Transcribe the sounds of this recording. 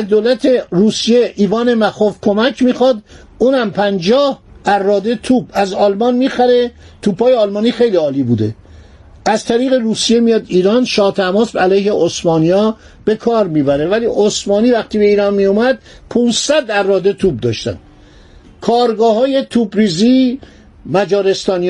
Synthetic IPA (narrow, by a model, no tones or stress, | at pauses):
æzd̪olæt̪ʰeruːsije̞ʔiːvɒːnemæxofkʰo̞mækʰmiːxɔd̪ | uːnæmpʰænd͡ʒɒːhærːɒːd̪e̞t̪ʰuːbæzɒːlmɒnmiːxæɾe̞t̪ʰuːbhɒːjeɒːlmɒːniːxe̞jliːɒːliːbuːd̪e | ʔæzt̪ʰæɾiːɣe̞ɾuːsije̞mijɒːd̪iːɾɒnʃɒːt̪ʰæmɒːsbælæjhe̞ʔosmɒːnijɒː | b̥e̞kʰɒːɾmiːbæɾe̞væliːʔosmɒːniːvæχt̪iːbe̞iːɾɒnmijumæd̪pʰũːnzsæd̪ærːɒːd̪et̪ʰuːb̚d̪ɒːʃt̪æ̰nd̪ | kʰɒːɾɡɒːhɒːje̞t̪ʰuːbɾiːziː | mæd͡ʒɒːɾe̞st̪ɒːni